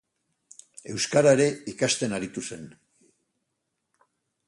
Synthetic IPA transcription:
e̞wskaɾaeɾe̞ikast̪e̞naɾit̪use̞n

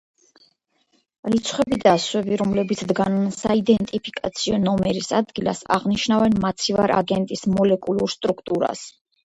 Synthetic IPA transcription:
lit̪sʰχwɛbid̪aswɛbiɾɔmlɛbit̪sʰd̪ɡannsaid̪ɛnt̪ʼipʰikʼat̪sʰiɔnɔmɛɾisad̪ɡila̰sa̰ʁniʃnavɛnmat̪sʰiva̰ɾʔa̰ɡɛnt̪ʼismɔlɛkʼulˠuɾst̪ʼɾukʰt̪ʼuɾa̰s

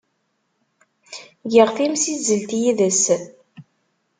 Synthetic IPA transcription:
ʝəʁθimsizəlt̪jiðəs

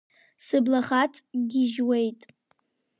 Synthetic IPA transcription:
sɨblaχat͡sʼɡʲɪʒwe̞jtʼ

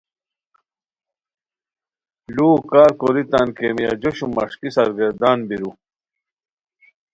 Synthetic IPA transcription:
luːkaːɾkoɾit̪ankemija̰d͡ʑoɕumɐ̰ʂkisɐɾɡɐɾd̪aːnbiɾu

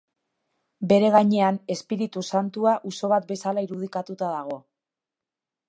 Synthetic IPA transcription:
be̞ɾe̞ɣaɲe̞ane̞spiɾit̪usant̪uaʔuso̞βat̪̚be̞salaiɾuð̞ikat̪ut̪aðaɣ̞o̞

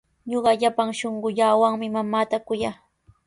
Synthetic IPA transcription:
ɲoɢɑʎapaŋʃoɴɢʊʎaːwaŋmɪmamaːt̪akʊjaː

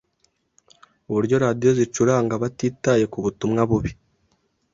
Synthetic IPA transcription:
uβuɾɟo̞ɾadijo̞zit͡ʃuɾaŋɡaβatiːtaje̞kuβutumŋaβuβi

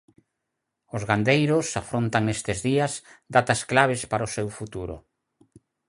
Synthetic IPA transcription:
ozɣand̪ejɾʊsafɾont̪aŋnest̪ɪzðiasd̪at̪asklaβ̞espaɾosewfut̪uɾʊ̰

